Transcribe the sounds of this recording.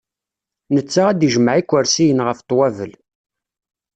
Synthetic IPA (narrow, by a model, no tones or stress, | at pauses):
nət͡sːaʁæd̪iʒmʕikʷːəɾsijənʁəft̪ˤwævəl